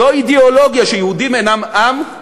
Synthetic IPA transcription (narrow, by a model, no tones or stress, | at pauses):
oid̪eoloɡjaʃejehud̪imenamʔam